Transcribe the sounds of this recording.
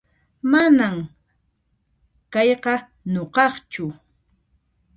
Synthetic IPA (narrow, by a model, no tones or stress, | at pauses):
manam | kɑjqɑ | noqɑχt͡ʃʊ